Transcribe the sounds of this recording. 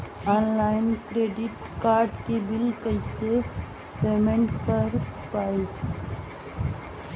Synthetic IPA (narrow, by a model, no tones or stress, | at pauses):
ɔnlajnkɾeɖiʈkaɾɖkebilkəjse | pemẽɳʈkəɾpai